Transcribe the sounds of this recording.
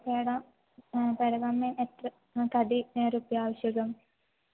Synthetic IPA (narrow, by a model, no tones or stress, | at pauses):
peɽɐ | peɽɐɡɐmːemet̪rɐ | kɐd̪iɾupːjaːʋɐɕjɐɡɐm